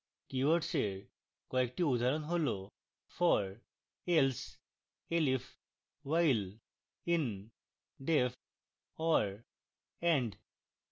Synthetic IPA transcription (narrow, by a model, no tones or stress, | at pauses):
kiʋəɾʈse | kɔek̚ʈiʋud̪ʱaɾənɦolo | fʰɔɾ | els | elif | ʋail | in | ɖef | ɔɾ | ɛ̃ɳɖ